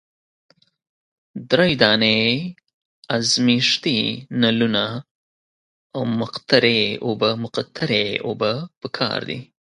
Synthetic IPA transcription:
d̪ɾajd̪ɑne | azmiʂt̪inaluna | awmʊqt̪aɾeobamʊqat̪ʰaɾeo̰bapəkʰɑ̰ɾd̪ḭ

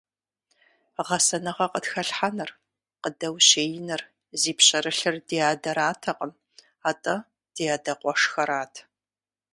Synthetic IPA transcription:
ʁɐsɐnɐʁɐqətxɐɬħanɨr | qədɐwɕeːjɪnɨr | ziːpɕɐɾɨɬɨrdiːjaːdɐɾaːtʰɐqʼəm | aːtʼɐ | d̥ijaːdɐqʷʼɔʂxɐɾaːtʰ

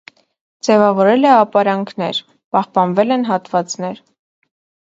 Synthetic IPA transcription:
d͡zɛvɑvɔɾɛlɛɑpɑɾɑŋkʰnɛ̰ɾ | pɑhpɑnvɛlɛnɦɑt̪vɑt͡sn̪ɛɾ

